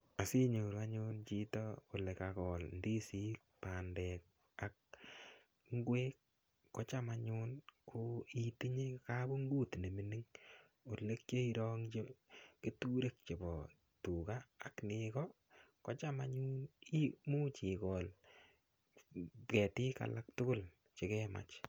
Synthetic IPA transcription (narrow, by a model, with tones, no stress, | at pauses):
a˨si˦ɲo˨ɾa˦ɲʊ˦nt͡ʃi˦tɔo˨le˨kakɔ˨lndi˦si˦kpa˨ndɛ˨k̚ | a˨k̚ | ŋ˦ɡwe˦kː | ɔ˦t͡ʃa˦maɲʊ˦nkʰo˦i˦ti˦ɲe˦ka˦bo˦ŋɡu˦tne˨mi˦ni˦ŋ | o˨le˦k̚t͡ʃe˦i˦ɾɔ˦ŋt͡ʃe˦ke˦tu˦ɾe˦k̚t͡ʃe˨bɔ˨ | tu˨kaː˦˨knɪkɔ | kɔ˦t͡ʃa˦ma˦ɲu˦ni˦mu˦t͡ʃi˨kɔ˨l | kɛ˨tɪ˦ka̰˨lak̚tʊ˦kʊ˦˨l | t͡ʃe˨kɛ˦ma̰˨t͡ʃ